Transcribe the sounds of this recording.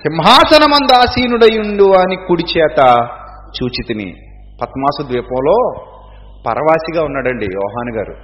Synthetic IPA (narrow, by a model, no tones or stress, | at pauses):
ʃimɦaːsɐnɐmɐnd̪aːsiːnuɽɐjuɳɖuʋaːnikuɽit͡ʃɛːt̪ɐ | t͡ʃuːt͡ʃit̪inḭ | pɐt̪maːsud̪ʋiːpɐ̃mlo̞ː | pɐ̰ɾʔɐʋaːsiɡaːunːɐɽɐɳɖḭjɔ̰ːɦaːnuɡaːɾṵ